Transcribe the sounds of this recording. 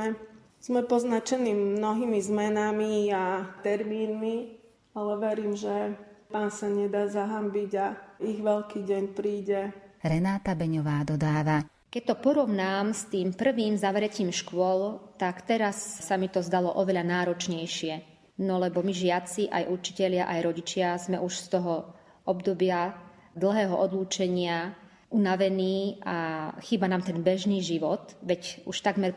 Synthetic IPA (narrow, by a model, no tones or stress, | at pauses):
ɛ | z̥mɛpɔznat͡ʃɛniːmnɔɦimizmɛnamiat̪ɛɾmiːnmi | alɛʋɛɾiːmʒɛpaːnsaɲɛd̪aːzaɦambiɟaiɣʋɛʎkiːɟɛɲpɾiːɟɛɾɛnaːt̪abɛɲɔʋaːd̪ɔd̪aːʋa | kɛc̚t̪ɔpɔɾɔʋnaːmst̪iːmpr̩ʋiːmzaʋɾɛciːmʃkʊɔlt̪akt̪ɛɾassamit̪ɔzd̪alɔʔɔʋɛʎanaːɾɔt͡ʃɲɛjʃɪɛ | nɔlɛbɔmiʒɪat͡siʔa̰jʔut͡ʃi̥cɛʎɪaʔajɾɔɟit͡ʃɪazmɛʔuʃst̪ɔɦɔ | ɔbd̪ɔbɪa | d̪l̩ˠɦɛːɦɔʔɔd̪luːt͡ʃɛɲɪa | ʔunaʋɛniːʔaxiːbanaːmt̪ɛnbɛʒniːʒiʋɔt̪ʋɛcuʃt̪aɡmɛɾ